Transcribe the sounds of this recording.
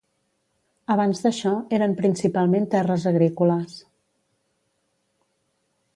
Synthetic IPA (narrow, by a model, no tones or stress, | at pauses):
əβ̞anzðəʃɔeɾəmpɾinsipalˠment̪ɛrəzəɣɾikuləs